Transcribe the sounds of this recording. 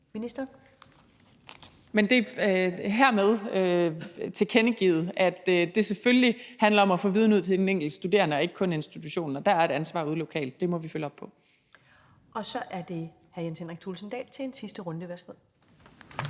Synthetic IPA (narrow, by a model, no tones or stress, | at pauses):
minisd̥ɐ | mend̥e̝ | ɦæɐ̰með̞ˠøt͡sʰe̝kʰenəɡ̥ḭːð̩ˠæd̥d̥e̝seføllihænlɐɒ̽mæfɔ̰̽ːʋiːð̞ˠnuð̞̰ˠt͡sʰe̝d̥eneŋ̰ɡ̥l̩d̥sd̥ud̥e̝̰ːɐnəɒɐe̝ɡ̥ə̥kʰɔ̽ne̝nsd̥it͡sʰuɕo̝̰ːnːɒ̽d̥æɐæɐe̝ɾænsʋɑ̈ːuð̞ˠlo̝kʰɛ̰ːld̥̚ːe̝mɒ̽ʋiføləɒ̽b̥̚pʰɒ̽ | ʔɒ̽sɒ̽ʔæɐd̥e̝ | hæɐjensenʁeɡ̥̚t͡sʰulsn̩d̥ɛ̰ːlt͡sʰe̝ensisd̥əʁɔ̽nd̥əʋæɐsɡ̥með̰ˠ